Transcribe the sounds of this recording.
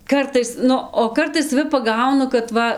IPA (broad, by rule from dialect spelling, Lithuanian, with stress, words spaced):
ˈkɐrtɐɪs ˈnʊ oː ˈkɐrtɐɪs sɐˈʋʲɪ pɐˈɡɐʊnʊ kɐt ˈʋɐ